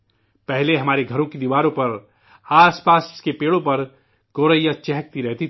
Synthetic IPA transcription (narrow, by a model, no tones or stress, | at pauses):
pɛɦleɦɐmaːɾeɡʱɐɾõkid̪iʋaːɾõpɐɾ | aːspaːskepeːɽõpɐɾ | ɡ̥oːɾəjat͡ʃɛɦək̚t̪iɾɛɦt̪i